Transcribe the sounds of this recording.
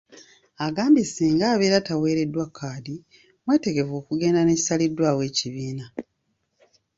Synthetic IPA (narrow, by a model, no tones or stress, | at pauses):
aɡaːmbisiːŋɡaːβeːɾatawe̞ːɾe̞dːwakʰːaːdi | mwe̞ːte̞ɡe̞vo̞ːkuɡe̞ːndane̞ci̥salidːwaːwe̞ːciβiːna